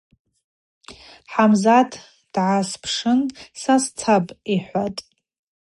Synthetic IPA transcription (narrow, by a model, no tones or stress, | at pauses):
ħamzatʰ | d̥ʕaspʰʂɨnsast͡sʰapʼiħʷatʼ